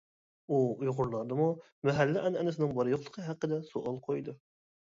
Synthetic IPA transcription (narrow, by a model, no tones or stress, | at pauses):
uujʁʊɾlˠɑɾd̪ɨmu | mæɦælːæʔænɛnɪsɪnɪŋbɑɾɨjoqlˠə̥qʰəɦæqːəd̪ɛsuʔɑlˠqʰojd̪ʊ